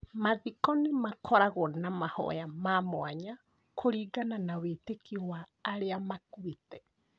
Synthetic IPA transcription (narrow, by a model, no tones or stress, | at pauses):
maðikɔnemakʰɔɾaɣɔnamahɔ̰jamamoaɲa | kʰoɾiːɡananawetekiwaːɾeamakwitɛ